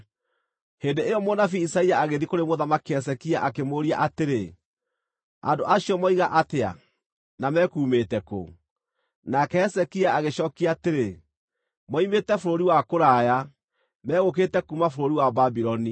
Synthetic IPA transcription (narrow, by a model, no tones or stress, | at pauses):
hendeejɔmɔnafiisaiaaɣeðikoɾemoðamakiɛs̬ɛkiaʔakemoːɾia̰ʔateɾe | a̰ndoʔaɕiɔmɔiɣaʔatea̰ | namɛkuːmeːtɛko̰ | nakɛɛsɛkiaaɣeɕɔːkiateɾe | mɔimeːtɛfoɾoɾiwakoɾaːja | mɛːɣok̬etɛkumafoɾoɾiwababiɾɔni